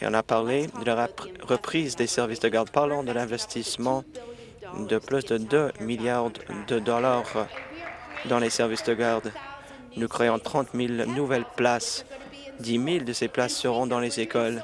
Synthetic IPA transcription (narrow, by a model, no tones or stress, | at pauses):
ḛɔ̰̃napaʁled̪əlaʁəpχizd̪esɛʁvisd̪əɡaʁd̪paʁlɑ̃d̪əlɛ̃vɛst̪ismɑ̃ | d̪əplysd̪əd̪ømiljaʁd̪əd̪ɔlaʁ | d̪ɑ̃lesɛʁvisd̪əɡaʁd̪ | nukχeɑ̃t̪χɑ̃t̪milnuvɛlplas | d̪imild̪əseplasːəʁɔ̃d̪ɑ̃lezekɔl